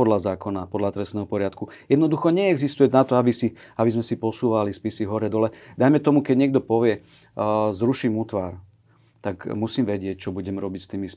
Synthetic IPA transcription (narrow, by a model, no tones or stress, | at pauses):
ɔd̪lazaːkɔnapɔd̪lat̪ɾɛstnɛɦɔpɔɾɪat̪ku | jɛd̪nɔd̪uxɔɲɛɛɡzist̪ujɛnat̪ɔabisiabizmɛsipɔsuːʋalispisiɦɔɾɛd̪ɔlɛd̪ajmɛt̪ɔmukɛɟɲɛɡ̚d̪ɔpɔʋɪɛ | zɾuʃimuːt̪ʋaːɾ | t̪akmusiːmʋɛɟɪɛc̚t͡ʃɔbuɟɛmɾɔbicst̪iːmis